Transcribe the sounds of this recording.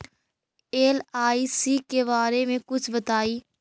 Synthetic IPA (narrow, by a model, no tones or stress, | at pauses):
eːlaːiːsiːkeːbaːɾeːmẽkʊt͡ʃʰbət̪aːiː